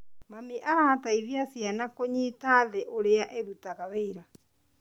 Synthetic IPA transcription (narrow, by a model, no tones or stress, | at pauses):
mamiʔaɾaːtaiðjasjanakoɲitaðɛʔoɾeaʔeðutaɣaβeiɾa